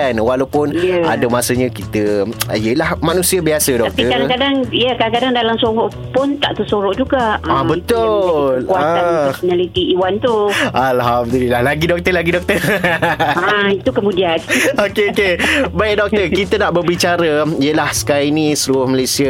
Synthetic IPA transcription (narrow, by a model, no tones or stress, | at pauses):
anwalawpʊnja̰damasəɲə̃kit̪əijəlahmanũsiabiasədɔtakatpiəkadakadaŋjakadaŋkadaŋdalamsoɾʊʔ | pʊnt̪a̰ʔt̪usoɾʊʔd͡ʒuɡaʔabət̪ʊlkuat̪analit̪iiwant̪ualɦamd̪əlilahlaɡidɔk̚t̪əlaɡidɔk̚t̪ər | ait̪ukəmũdianokeokebaɪk̚dɔk̚t̪əkit̪ənaʔbərbit͡ʃaɾəijəlahsə̥kaɾãinĩsɾuʊhməlajsia